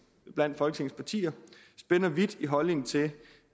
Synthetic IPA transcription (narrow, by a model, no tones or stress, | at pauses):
b̥læn̰d̥fɒ̽lɡə̥e̝ŋspʰɑ̈t͡sʰḭːɐ | sb̥enɐʋid̥iɦɒ̽lne̝ŋ̩t͡sʰe̝